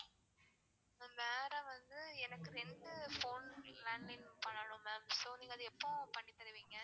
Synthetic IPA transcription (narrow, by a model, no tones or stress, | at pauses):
meːɾɐ̃ʋɐnd̪ɯɛnɐkːɯɾɛnd̪ɯfoːnlaːɳlɪnpɐɳːɐlɯ̃mɛmsoːniːɡɐðɯɛpːõpɐɳːɪt̪ːɐɾɯʋiːŋɡɐ